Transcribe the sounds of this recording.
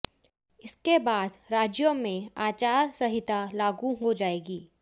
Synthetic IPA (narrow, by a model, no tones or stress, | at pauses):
ɪskebaːd̪ɾaːd͡ʒjomẽaːt͡ʃaːɾsɐɦɪt̪alaːɡũɦod͡ʒaːeːɡiː